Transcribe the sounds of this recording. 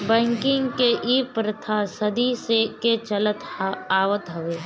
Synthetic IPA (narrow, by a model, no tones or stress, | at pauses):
bɛ̃ːŋkɪ̃ŋɡkeʔiːpɾət̪ʰasɐd̪iseket͡ʃɐlət̪aːwət̪ɦɐʋeː